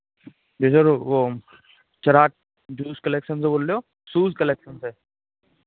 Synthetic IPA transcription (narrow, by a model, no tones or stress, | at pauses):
besəɾʋo | t͡ʃɐɾaːk̚ | d͡ʒuːskɐleːkʃənseboːlːejoː | suːskɐleːkʃənse